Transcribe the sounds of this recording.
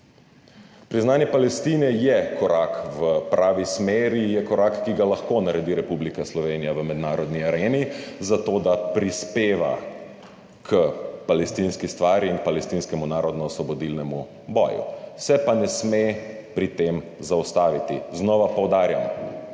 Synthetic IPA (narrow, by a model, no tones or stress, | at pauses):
pɾiznaːnjɛpalɛst̪inɛjɛkɔɾakʋəpɾaːʋismeːɾijɛkɔɾakːiɡalaxkonaɾɛd̪iɾɛpublikaslɔʋeːnijaʋəmɛd̪naːɾɔd̪niaɾeːnizat̪oːd̪apɾispeːʋa̰ | kʰəpalɛst̪inskist̪ʋaːɾiinpalɛst̪inskɛmunaːɾɔd̪nɔːsʋɔbɔd̪ilnɛmu | bɔ̰ːjṵsɛpanɛsmepɾit̪emzaust̪aːʋit̪ḭznɔʋapɔwd̪aːɾja̰m